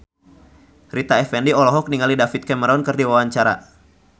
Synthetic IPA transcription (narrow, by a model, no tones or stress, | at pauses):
rit̪aɛfɛndiɔlɔɦɔk̚niŋalidafit̪̚kɛməɾɔnkɨrdiwawaɲt͡ʃaɾa̰